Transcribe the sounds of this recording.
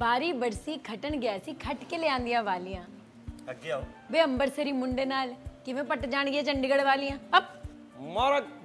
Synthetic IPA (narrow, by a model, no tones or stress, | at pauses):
baːɾiːbəɾsiːkʰəʈəɳɡɪjaːsiːkʰəʈkeːleãːnd̪ijãːʋaːlijãː | beːəmbəɾsəɾiːmʊɳɖeːnaːlkɪʋẽːpəʈd͡ʒaːɳɡɪeːt͡ʃəɳɖiːɡəɽʋaːlijãːəp̚ | maːɾək